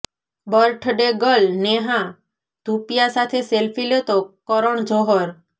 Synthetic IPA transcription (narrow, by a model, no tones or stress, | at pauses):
bəɾʈʰɖeɡɔlneɦã | t̪upijasat̪ʰeselpʰilet̪o | ɔɾɔɳ̃d͡ʒʱɔɦɔɾ